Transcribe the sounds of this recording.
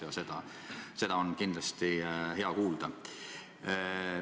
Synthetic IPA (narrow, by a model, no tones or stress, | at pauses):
jɑse̞d̪̥ɑ | se̞d̪̥ɑo̞nkind̪̥lɑst̪ihe̞ɑkuːld̪̥ɑ